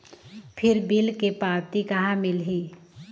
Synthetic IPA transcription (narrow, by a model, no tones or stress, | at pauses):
pʰɪɾbɪlkepaːwt̪ikɐɦãmɪlɦiː